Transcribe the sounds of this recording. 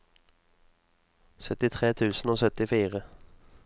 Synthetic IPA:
sœt̪ɪt̪ʰʁeːt̪ʰʉːsn̩oːsœt̪ɪfiːʁə

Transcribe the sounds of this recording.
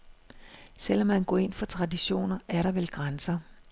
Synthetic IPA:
sel̰ɒ̽mːænɡ̥ɔ̰ːe̝n̰fɒ̽t͡sʰʁɑ̈diɕo̝̰ːnɐæɐɾɑ̈ʋelɡ̥ʁansɐ

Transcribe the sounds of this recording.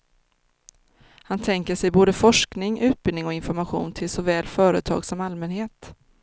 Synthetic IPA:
hant̪ʰɛŋkəʂɛjboːd̪əfɔʂknɪŋʉ̟ːt̪̚b̥ɪlnɪŋɔɪnfɔɾmaɧṵːnt̪ʰɪlsɔvɛːlfœːɾət̪ʰɑ̰ːɡsɔmalmɛnheːt̪

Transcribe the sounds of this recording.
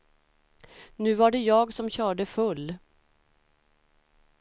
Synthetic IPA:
nʉ̟ːvaɖɛjɑːɡsɔmɕœːɖəfɵlː

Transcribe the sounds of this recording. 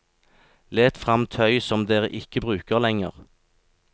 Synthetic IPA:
leːt̪fʁɑmt̪ʰœʏsɔmd̪eːʁə̰ʔɪkəbʁʉːkəʁlɛŋə̰ʁ

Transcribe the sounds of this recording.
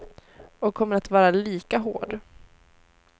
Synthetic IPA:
ɔkʰːɔmːəɾat̪vɑːɾaliːkaɦo̰ːɖ

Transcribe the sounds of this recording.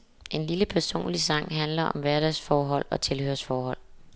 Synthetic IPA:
ʔe̝nliləpʰæɐso̝̰ːnlisɑ̈ŋ̰ɦænlɐʔɒ̽mʋæɐɾ̥æsfɒːɦɒ̽l̰ɒ̽t͡sʰe̝lhø̰ːɐsfɒːhɒ̽l̰

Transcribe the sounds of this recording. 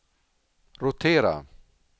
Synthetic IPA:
ɾʊt̪ʰeːɾa̰

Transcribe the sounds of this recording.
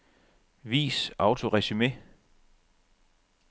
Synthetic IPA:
ʋḭːsɑ̈ʊt͡sʰo̝ʁɛɕime̝

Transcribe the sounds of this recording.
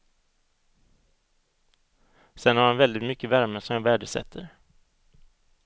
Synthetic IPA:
sɛnhaɾhanvɛld̪ɪt̪mʏkːəvæɾməʂɔmɛnvæːɖəsɛ̰t̪ʰːə̰ɾ

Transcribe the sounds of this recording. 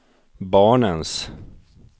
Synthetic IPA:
bɑːɳəns

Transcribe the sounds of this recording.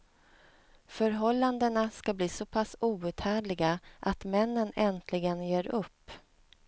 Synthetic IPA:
fœɾɦɔlːand̪ənaskabliːsɔpʰasuːʉ̟ːt̪hæːɖɭɪɡaʔat̪mɛnːənɛnt̪ʰlɪɡənjeːɾɵpː

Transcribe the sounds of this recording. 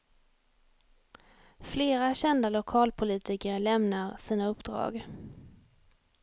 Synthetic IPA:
fleːɾaɕɛnd̪alʊkʰɑːlpʰʊliːt̪ɪkəɾlɛmnaɾsiːnaɵpd̪̥ɾɑ̰ːɡ

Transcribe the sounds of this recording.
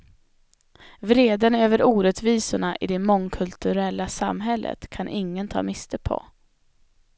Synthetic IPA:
vɾeːd̪ənøːvəɾuːɾɛt̪viːsʊɳaʔɪd̪ɛmɔŋkʰɵlt̪ɵɾɛlːasa̰mɦɛlːʔə̰t̪kʰanʔɪŋːənt̪ʰɑ̰ːmɪst̪əpʰɔ̰

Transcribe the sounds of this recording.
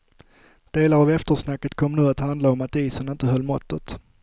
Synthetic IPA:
d̪̥eːlaɾavɛft̪əʂnakːət̪kʰɔmːnʉ̟ːat̪hand̪laɔmat̪iːsənɪnt̪əɦœlːmɔt̪ːət̪

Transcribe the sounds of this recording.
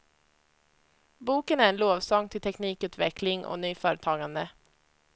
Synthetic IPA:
buːkənæɾɛnloːvsɔŋːt̪ʰɪlt̪ʰɛkniːkʉ̟ːt̪vɛklɪŋʔɔ̰nyːfœːɾət̪ʰɑːɡand̪ə

